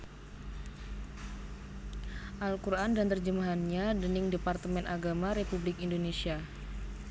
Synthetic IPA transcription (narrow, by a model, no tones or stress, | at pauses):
ʔalkuɾʔandant̪ərd͡ʒəmaɦanɲadənɪŋdepart̪əmɛnʔaɡamaɾepublɪkindonesia